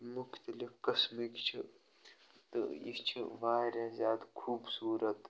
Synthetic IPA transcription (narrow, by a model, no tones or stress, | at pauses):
mʊkʰt̪ɐlifkɐsmikt͡ʃʰi | t̪ɨ̰ḭt͡ʃʰiʋaːɾẽzʲjaːd̪kʰuːbsuːɾət̪